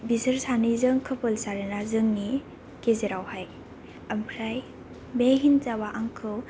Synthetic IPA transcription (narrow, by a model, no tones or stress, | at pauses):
bizəɾsanɯjzɯŋkʰɯpɯlsaɾenazɯŋni | kezeɾawhaj | ɐmpʰɾaj | beɦinzabaʔaŋkʰɯw